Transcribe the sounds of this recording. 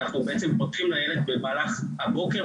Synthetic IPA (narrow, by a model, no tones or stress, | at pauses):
aχnubeʔet͡sempot̪χimlajeled̪bemaːlaχhabo̞ke